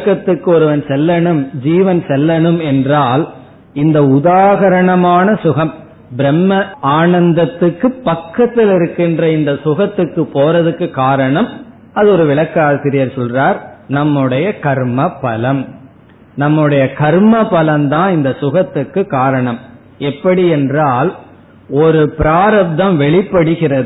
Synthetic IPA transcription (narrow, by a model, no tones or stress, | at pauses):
kːɐt̪ːɯkːɯɔɾɯʋɐnsɛlːɐɳɯmd͡ʒiːʋɐnsɛlːɐɳɯmɛndraːl | ɪnd̪ɐʊðaːɣɐɾɐɳɐmaːnɐsʊɣɐm | bɪɾɛmːɐaːɳɐnd̪ɐt̪ːɯkːɯpːɐkːɐt̪ːɪlɪɾɯkːɪndrɐɪnd̪ɐsʊɣɐt̪ːɯkːɯpoːrɐðɯkːɯkaːɾɐɳɐm | ɐðɯɔɾɯʋɪɭɐkːaːsɪɾɪjɐɾsɔlraːɾnɐmːɯɽɐjɐkɐɾmɐpːɐlɐm | nɐmːɯɽɐjɐkɐɾmɐpːɐlɐmt̪ãːɪnd̪ɐsʊɣɐt̪ːɯkːɯkːaːɾɐɳɐm | ɛpːɐɽiɛndraːl | ɔɾɯpɪɾaːɾɐb̚d̪ɐmʋɛɭɪpːɐɽɯɣɪrɐðɯ